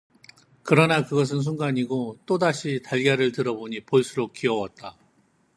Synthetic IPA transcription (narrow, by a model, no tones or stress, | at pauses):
kɯɾʌnakɯɡʌs̬ʰɯns̬ʰuŋɡaɲiɡot͈odaɕʰitaɭɡjʌɾɯɭtɯɾʌboɲipoɭs͈ʰuɾok̚k͈iʌwʌt̚t͈a